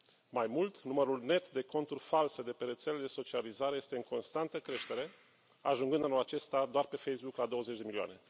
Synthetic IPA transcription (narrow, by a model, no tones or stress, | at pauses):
majmult̪numəɾulne̞t̪d̪e̞ko̞nt̪urʲfalse̞d̪e̞pe̞ɾe̞t̪seled̪eso̞t͡ʃializaɾe̞je̞st̪eɨŋkʰo̞nst̪ant̪əkɾe̞ʃt̪e̞ɾe̞ | a̰ʒuŋɡɨnd̪anolat͡ʃe̞st̪ad̪oarpe̞fejsbuklad̪o̞wəzet͡ʃʲd̪e̞milioa̰ne̞